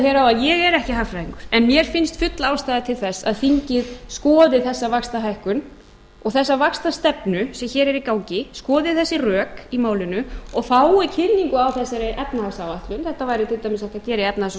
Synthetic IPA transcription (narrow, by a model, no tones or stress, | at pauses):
çɛɾawaðjɛɣɛɾɛhcɪɦafɾajiŋkʏɾ̥ɛnmjɛɾ̥fɪnst̪fʏt̪laaːwst̪aːjðɪt̪ʰɪlθɛsːa̰ðθiɲcɪðskɔːðɪθɛsːavakst̪aɦajhkʏn | ɔɣθɛsːavakst̪ast̪ɛpnʏsɛmçɛːɾɛɾikaːwcɪskɔːðɪθɛsːɪrœːkimaːwlɪnʏɔɣθaːwɪcʰɪnːiŋkʏawθɛsaɾɪʔɛpnahasawaht̪lʏnθɛht̪avajɾɪt̪ʰɪlt̪amɪsaht̪aðcɛːɾɪɛp̚naas